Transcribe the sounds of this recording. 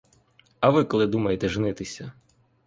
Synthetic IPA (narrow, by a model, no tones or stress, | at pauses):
ɐʋɪkɔlˠɪd̪umɐjet̪ɛʒɪnɪt̪ɪsʲɐ